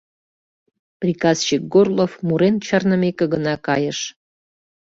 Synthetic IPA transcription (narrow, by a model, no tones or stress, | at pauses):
prʲikɑzt͡ɕik̚ɡorlˠofmuɾent͡ɕɑrnəmekĕɡənɑkɑjəʃ